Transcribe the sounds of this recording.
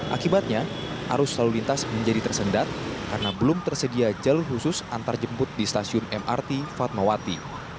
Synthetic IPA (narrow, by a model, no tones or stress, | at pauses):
ʔa̰kibat̪̚ɲaha̰ɾʊsːalulint̪asməɲd͡ʒadit̪ərsəndat̪̚karənabəlʊmt̪ərsədiad͡ʒalʊrhusʊsʔant̪ard͡ʒəmpʊt̪̚dist̪asiʊnɛma̰rt̪ifat̪̚mawat̪i